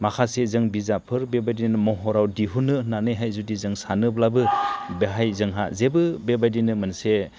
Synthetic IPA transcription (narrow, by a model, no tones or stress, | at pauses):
makʰasezɯŋbizapʰɯɾbebajdinmɔɦɔɾawdiɦunɯnanɯjɦajzudizɯŋsanɯblabɯbeɦajzɯŋɦa̰zebɯbebajdinɯmɯnse